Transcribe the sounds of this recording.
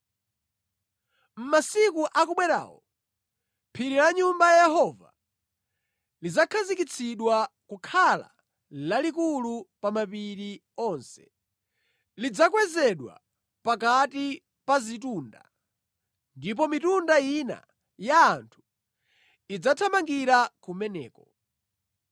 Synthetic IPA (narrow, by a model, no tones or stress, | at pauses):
m̩masikuʔakuɓwɛɾa̰ːwɔ | pʰiɾilaɲumbajajɛhɔva̰ | lid͡zakʰazikit͡sʰiɗwakukʰala̰ | lalikulupamapiɾi | ɔnsɛ̥ | lid͡zakwɛzɛɗwa̰ | pakati | pazitunda̰ | ndip̬ɔmitundaina̰ | jaːntʰu̥ | id͡zatʰamaŋɡiɾakumɛnɛ̰ːkɔ